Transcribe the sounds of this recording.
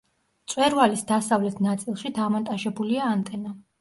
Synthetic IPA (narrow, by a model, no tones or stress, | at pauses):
t̪sʼwɛɾvalisd̪asavlɛt̪ʰnat̪sʼilˠʃid̪amɔnt̪ʼaʃɛbuliaːnt̪ʼɛna